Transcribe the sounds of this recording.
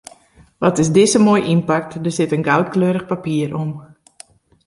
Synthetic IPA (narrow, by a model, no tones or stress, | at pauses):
ʋɔtɪsdɪsəmoːjʔimpak̚tdərsɪtənɡawtkløːɾəxpapiərʔom